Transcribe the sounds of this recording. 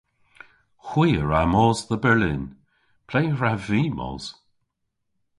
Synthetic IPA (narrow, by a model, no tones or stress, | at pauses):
xwiːəɹamɔːzðəbɛlɪ̰n | pʰl̥eːɹaviːmɔ̰ːz̥